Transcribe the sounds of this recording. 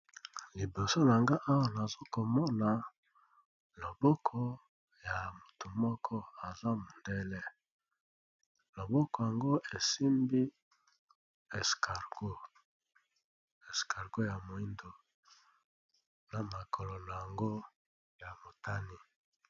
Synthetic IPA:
li˨bo˨so˦na˨ŋɡa˦ʔa˦wa˨na˨zo˦ko˨mɔ˦na˨ | lo˨bɔ˦kʰɔ˦ | ja˨mo˨tu˨mɔ˦kʰɔ˦a˨za˦mo˨ndɛ˦lɛ˦ | lo˨bɔ˦kɔ˨ja˨ŋɡo˦ʔe˨si˦mbi˦ | e˨skʰa˨ɡo˦ | e˨ska˨ʁɡo˦ja˨mo˨i˦ndo˨ | na˨ma˨kʰo˨lo˨no˨ja˨ŋɡo˦ | ja˨mo˨tʰa˦ni˦

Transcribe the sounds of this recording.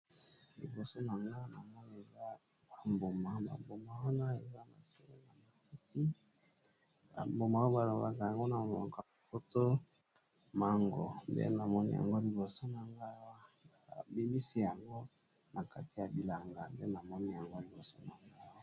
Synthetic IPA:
lḭ˨bo˨so˦na˨ŋɡa˦na˨mɔ˦ni˦e˨za˦ | a˨mbo˨ma˨ba̰˨bo˨ma˨wa˦na˦e˨za˦ma̰˨se˦le˦na˨ma˨ki˦ti˦ | ba̰˨mbo˨ma˨˦o˦ba˨lo˨ba˨ka˨ja˨ŋɡo˦na˨a˨ka˨a˨fo˦to˦ | ma˦ŋɡo̰˨ndɛ̰˦na˨mɔ˦nḭ˦ja̰˨ŋɡo˦li˨bo˨so˦na˨ŋɡa˦a˦a˨bi˦mi˦si˦ja˨ŋɡo˦ | nʔa˨ka˦ti˨ja˨bi˨la˨ŋɡa˨nde˦na˨mɔ˦ni˦ja˨ŋɡo˦li˨bo˨so˦na˨ŋɡa˦jɔ˦

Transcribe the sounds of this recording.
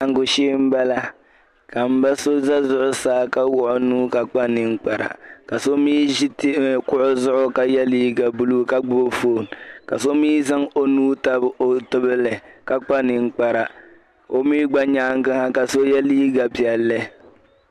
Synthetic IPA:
a˨ŋ˨ɡʊ˨ʃiː˦m̩˦ba˦la˦ | ka˨m̩˨ba˦so˦za˦zʊ˦ʔʊ˦saː˦ka˦wʊ˦ʔʊ˦nuː˦ka˨k͡pa˦nɪ˨ŋ̩˦k͡pa˨ɾa̰˨ka˨so˦miː˦ʒi˦ti˦kʊ˦ʔʊ˦zʊ˦ʔʊ˦ka˦jɛ˦liː˦ɡa˨bu˦lu˦ka˦ɡ͡bʊ˦bo˦fo˦˨nka˨so˦miː˦za˦ŋo˨nuː˦ta˦bo˨tɨ˦bɨ˦lɨ˨ka˦k͡pa˦nɪ˨ŋ˦k͡pa˨ɾa˨ | o˦miː˦ɡ͡ba˦ɲaː˦ŋ˦ɡɨ˦ha˦ka˨so˦jɛ˦liː˦ɡa˨pi˨ɛ˨lːɛ˦

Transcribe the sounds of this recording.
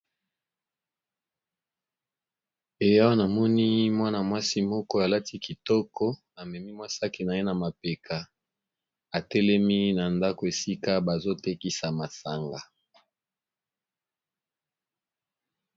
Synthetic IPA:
e˨ja˦wa˦na˨mɔ˦ni˦mwa˦na˨mwa˦si˦mɔ˦kɔ˦a˨la˦ti˦ki˨tɔ˦kɔ˦ | a˨mɛ˨mi˦mwa˦sa˦ki˨na˨je˦na˨ma˨pe˨kʰa˨ | a˨tɛ˦lɛ˦mi˦na˨nda˦ko˨e˨si˦ka˦ba˨zo˦te˦ki˦sa˨ma˨sa˨ŋɡa˨

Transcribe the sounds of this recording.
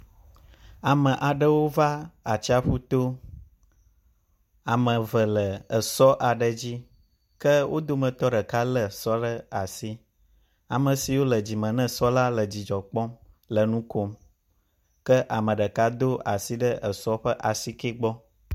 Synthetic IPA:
a˨mə̃˨ʔa˨ɖə˦wo˦va˦a˨t͡ɕi˦a˦ɸu˦t̪o˦ | a˨mə̃˨və˨lə˨ə˨sɔ˦ʔa˨ɖə˨d͡ʑi˦ | kə˦wʔo˦d̪o˦mə̃˨t̪ɔ˦ɖə˨ka˦lə˨sɔ˦ɖə˦a˨si˦ | a˨mə̃˨si˨wo˦lə˨d͡ʑi˨mə̃˨nə̃˦sɔ˦la˦lə˨d͡ʑi˨d͡ʒɔ˨k͡pɔ˦m | lə˨nũ˦ko˦m | kə˦ʔa˨mə̃˨ɖə˨ka˦d̪o˦a˨si˦ɖə˦ʔə˨sɔ˦ɸə˦ʔa˨si˦ke˦ɡ͡bɔ˦

